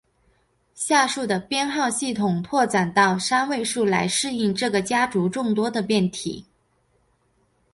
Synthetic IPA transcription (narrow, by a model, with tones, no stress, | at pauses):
ɕja˥˧ʂu˥˩d̪ə˩pjɛ˥nxɑ˥˧ʊɕi˥˩t̪ʰʊ˨˩ŋpʰwɔ˥˩ʈ͡ʂa˨˩nt̪ɑ˥˩ʊʂa˥nwe˥˧ɪʂu˥˩la˧˥ɪʂɻ̩˥˧i˥˧ŋʈ͡ʂɤ˥˩ɡə˩t͡ɕja˥ʈ͡ʂu˧˥ʈ͡ʂʊ˥˩ŋt̪wɔ˥d̪ə˨pjɛ˥˩nt̪ʰḭ˨˩˦